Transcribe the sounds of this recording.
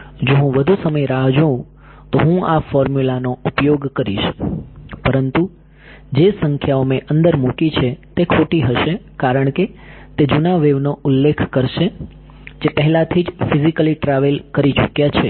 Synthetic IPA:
d͡ʒoɦũʋəd̪ʱusəməjɾaɦd͡ʒəũ | t̪oɦũafɔɾmjulanoupjoɡkəɾḭʃ | pəɾənt̪u | d͡ʒesəŋkʰjaomẽʔənd̪əɾmukit͡ʃʰet̪ekʰoʈiɦəʃe | kaɾəɳ̃ket̪ed͡ʒunaʋeʋnoʊlːekʰkəɾʃe | d͡ʒepəɦɛlat̪ʰid͡ʒfizikəliʈɾaʋelkəɾit͡ʃukjat͡ʃʰe

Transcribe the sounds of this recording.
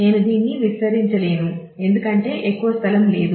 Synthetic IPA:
ne̞ːnud̪iːnːiʋisɐɾiɲt͡ʃɐle̞ːnu | e̞nd̪ukɐɳʈe̞ːʔekːuʋɐst̪ʰɐlɐmle̞ːd̪u

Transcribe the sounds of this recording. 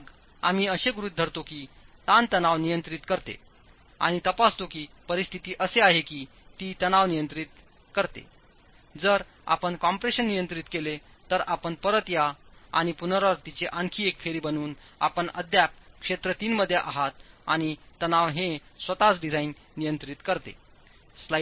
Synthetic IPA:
ɡ | am̤iːəɕeɡuɾut̪̚d̪ʱəɾt̪okiːt̪ãnt̪ənaʋnijənt̪ɾit̪kəɾt̪ḛ | a̰ɽ̃it̪əpast̪okiːpəɾist̪ʰit̪iːʔəseaɦekiː | t̪iːt̪ənaʋnijənt̪ɾit̪ | kəɾt̪ḛ | d͡zəɾ | a̰pəɳkɔmpɾeɕənːijənt̪ɾit̪kele | t̪əɾapəɳpəɾət̪jaa̰ɽ̃ipunɾəɾt̪it͡ɕeʔaŋkʰiːekfʰeɾiːbənuːn | a̰pəɳəd̪ʱːjap̚kʂet̪ɾət̪iːnməd̪ʱːjeʔa̰ɦat̪̚a̰ɽ̃it̪ənaʋɦẽsʋət̪asɖid͡zʱainːijənt̪ɾit̪kəɾt̪ḛ | sla

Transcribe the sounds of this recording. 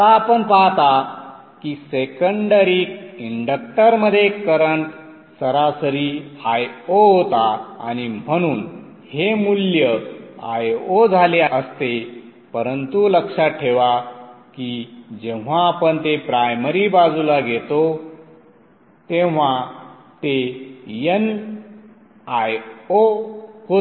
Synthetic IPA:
t̪aːpəɳpaɦt̪a | kisekəɳɖəɾiːkiɳɖək̚ʈəɾməd̪ʱːjekəɾəɳʈ | səɾasəɾiːajoɦot̪aa̰ñim̤əɽ̃uːn | hemuljəa̰jod͡zʱaleəst̪e | pəɾənt̪uləkʂaʈʰeʋakid͡ʑẽʋ̤aːpəɳt̪epɾajməɾibad͡zulaɡʱet̪o | t̪ẽʋ̤a | t̪ejən | ajoɦo

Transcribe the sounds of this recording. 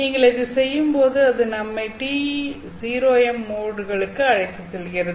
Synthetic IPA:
niːŋɡɐɭɛðɯsɛjːɯmpoːðɯɐðɯnɐmːɐɪʈːi | siːɾoːɛmːoːɽɯɣɐɭɯkːɯɐɻɐɪkːɐsɛlɣɪɾɐðɯ

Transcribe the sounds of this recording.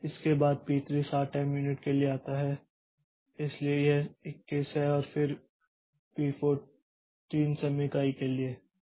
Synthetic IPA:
ɪskebaːd̪̚piːt̪ɾiːsaːʈːɛːmjunɪʈkelieaːt̪aɦɛ | ɪsliejeɪkːiːsɦɛɔːɾfɪɾ | piːfoː | ʈiːnsɐmɪkaːikelieː

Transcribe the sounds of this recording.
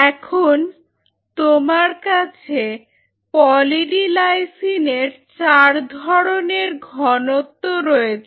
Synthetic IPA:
ɛkʰon | t̪omaɾkat͡ɕʰe | pɔliʈilajsineɾt͡ɕaɾd̪ʱɔɾoneɾɡʱɔnot̪ːoɾɔet͡ɕʰe

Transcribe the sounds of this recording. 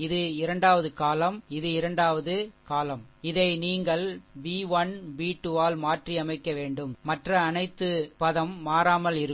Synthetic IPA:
ɪðɯɪɾɐɳɖaːʋɐðɯkaːlɐmɪðɯɪɾɐɳɖaːʋɐðɯkaːlɐmɪðɐɪniːŋɡɐɭbiːʋɐnbiːʈːuʋaːlmaːʈriɐmɐɪkːɐʋeːɳɖɯmːɐʈrɐːnɐɪt̪ːɯpɐðɐmːaːɾaːmɐlɪɾɯ

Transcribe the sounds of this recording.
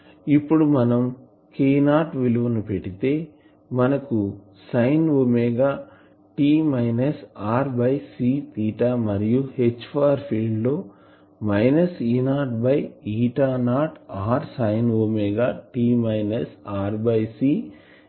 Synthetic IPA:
ipːuɽumɐnɐm | kiːnaːʈʋiluʋɐnupeʈːit̪e̞ː | mɐnɐku | sɐjnomɛːɡaː | ʈiːmɐjnɐsaːɾbɐjsiːt̪iːʈaːmɐɾijuhet͡ʃːpʰaːɾpʰiːɖlo̞ː | mɐjnɐsiːnaːʈbɐjiːʈaːnaːʈaːɾsɐjnomɛːɡaːʈiːmɐjnɐsaːɾbɐjsiː

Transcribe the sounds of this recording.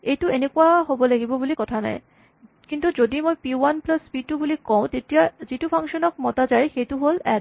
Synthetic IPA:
ejʈuenekuaɦoboleɡibobulikɔt̪ʰanɔ̰e | kint̪ud͡ʑod̪imojpiwanplaspiʈubulikɔõt̪etiad͡ʑiʈupʰaŋʃonok̚mɔt̪ad͡ʑaejxet̪uɦolɛ̰ɖ

